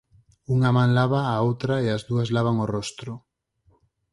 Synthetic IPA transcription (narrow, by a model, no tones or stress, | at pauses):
uŋamãŋlaβaːowt̪ɾaeazðuɐzlaβaŋorɔst̪ɾʊ